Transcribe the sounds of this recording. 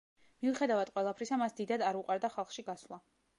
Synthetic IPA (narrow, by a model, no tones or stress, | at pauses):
miuχɛd̪avad̪̥qʼwɛlˠapʰɾisamasd̪id̪ad̪aɾuqʼaɾd̪aχalˠχʃiɡaslˠa